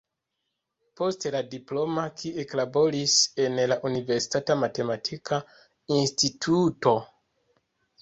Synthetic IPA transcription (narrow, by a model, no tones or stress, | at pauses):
po̞steladiplo̞makʰieklabo̞ɾise̞nlaʔunive̞ɾsi̥tatamate̞matʰika | institʰuto̞